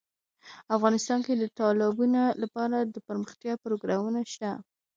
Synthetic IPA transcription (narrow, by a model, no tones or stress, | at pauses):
afɣɑnɪst̪ɑnked̪ət̪ɑlɪbunolapɑɾad̪əpəɾməxt̪jɑpɾoɡɾɑmunaʃt̪a